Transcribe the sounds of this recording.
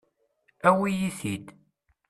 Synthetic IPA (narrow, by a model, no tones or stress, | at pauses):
æwijiθid̪